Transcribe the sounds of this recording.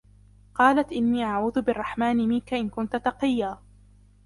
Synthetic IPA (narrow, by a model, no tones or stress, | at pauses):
qɑːlat̪ʔɪnːiːʔaʕuːðʊbɪrˤːɑħmaːnɪmɪnkaʔɪnkʊnt̪ʊt̪ɑqɨjːaː